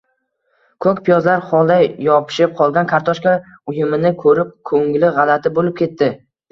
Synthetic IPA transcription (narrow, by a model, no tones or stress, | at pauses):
kʰɵkʲpʰɪjɒzlaɾχɒlˠd̪ajjɒpʰɪ̥ʃɪp̚qʰɒlˠɡʲankʰaɾt̪ʰɒʃkʲa | ʊjɪmɪnɪkʰɵɾɪp̚kʰɵŋlɪʁɑlat̪ʰɪbolɪp̚kʲʰe̞t̪ːɪ